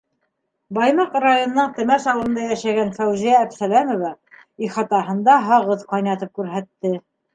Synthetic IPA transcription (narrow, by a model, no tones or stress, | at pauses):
bɑjmɑqrajonːɤɴt̪ɘ̆mæʃɑlˠd̪ɤ̆nd̪ɑjæʃæɡænfæwʒæːfsælæmŏvæ | iχɑt̪ɑɦɤ̆nd̪ɑɦɑʁɤðqɑjnɑt̪ɤp̚kʉɾɦæt̪ːɘ